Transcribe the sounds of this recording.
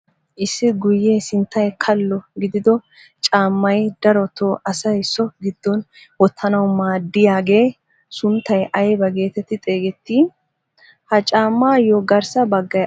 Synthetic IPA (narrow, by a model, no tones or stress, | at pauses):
ʔɪsːɪɡʊjːeːsɪnt̪ːɐjkʰɐlːɔɡɪd̪ɪd̪ɔ | t͡ʃʼaːmːɐjd̪̥ɐɾɔt̪ʰoːʔɐsɐjsɔɡɪd̪̥ːɔn | wɔt̪ʰːɐnɐwmaːd̪ɪjaːɡe̞ː | sʊnt̪ːɐjʔɐjbɐɡe̞ːt̪ɛt̪ːɪt̪ʼe̞ːɡɛt̪ːiː | hɐt͡ʃʼaːmːaːjɔɡɐɾsɐbɐɡːɐj